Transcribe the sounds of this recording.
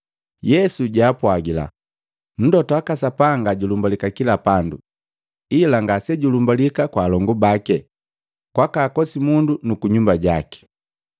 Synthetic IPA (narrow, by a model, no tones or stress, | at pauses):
jɛsuɟaːpwaɡila̰ | n̩dɔtɔakasapaŋɡaɟulumbalikakilapandṵ | ilaŋɡasɛɟulumbalikakwaːlɔŋɡubakɛ | kwakaːkɔsimundunukuɲumbaɟakɛ̥